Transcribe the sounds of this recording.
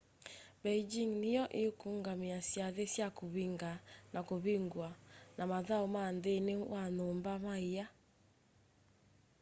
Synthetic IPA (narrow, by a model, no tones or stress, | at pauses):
bɛid͡ʒiŋnejɔʔeokuŋɡamiasjaðesjakoβiŋɡanʔakoβiŋɡwanʔamaðaomandenewanoːmbamaia